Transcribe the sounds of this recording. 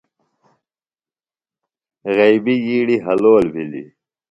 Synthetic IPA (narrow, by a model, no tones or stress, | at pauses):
ɣejbijiːɽiɦɐloːlbʱilḭ